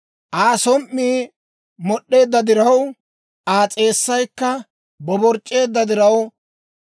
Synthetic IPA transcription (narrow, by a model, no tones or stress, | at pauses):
ʔaːsɔmʔːiː | mɔɗːe̞ːd̪ːɐd̪ɪɾɐw | ʔaːt͡sʼe̞ːsːɐjkːɐ | bɔbɔɾt͡ʃʼːe̞ːd̪ːɐd̪ɪɾɐw